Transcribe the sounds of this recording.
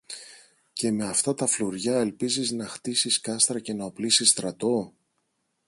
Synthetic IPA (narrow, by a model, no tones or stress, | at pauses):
ce̞me̞ɐft̪ɐt̪ɐfluɾʝɐe̞lpiziznɐxt̪isiskɐst̪ɾɐce̞nɐo̞plisist̪ɾɐt̪o̞